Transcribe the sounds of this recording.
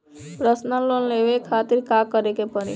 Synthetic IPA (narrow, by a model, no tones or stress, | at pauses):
pɾəsnəlonleʋekʰaːt̪iɾkakəɾekepəɾḭ